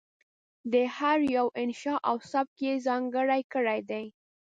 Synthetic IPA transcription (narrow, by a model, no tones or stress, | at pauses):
d̪əhaɾjawʔɪnʃɑʔawsab̚kezɑŋɡəɽajkəɽajd̪aj